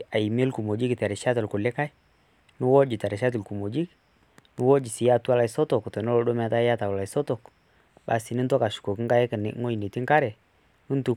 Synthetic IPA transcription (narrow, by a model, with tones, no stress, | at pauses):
a˨i˨me˦lku˨mo˨d͡ʒi˦ktɛ˨ɾɛ˨ʃa˦tɪ˨lkʊ˨lɪ˦ka˦j | nʊ˦wɔ˦d͡ʒi˨tɛ˨ɾɛ˨ʃa˦t̬ɪ˨lku˨mo˨d͡ʒi˦k | nʊ˦wɔ˦d͡ʒi˨sɪ˨ja˦tu˦a˦la˨ɪ˨sɔ˦tɔ˨ktɔ˨nɔ˦lɔ˦ɗɔ˦m˦a˦ta˦ja˦ta˨kla˨sɔ˦tɔ˨k | ba̰˨si˨nɪ˦ntɔ˦ka˨ʃu̥˨ko˨kɪ˦ŋka˦jkɪ˨n̰˦ŋo˦ji˨ne˨ti˦ŋka˦ɾɛ˨ | nʊ˦ntu˦